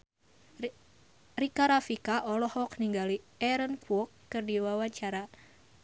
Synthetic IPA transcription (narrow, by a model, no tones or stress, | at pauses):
rikaɾafikaʔɔlɔhɔk̚niŋɡali | ɛɾənkuɔkːɨrdiwawaɲt͡ʃaɾa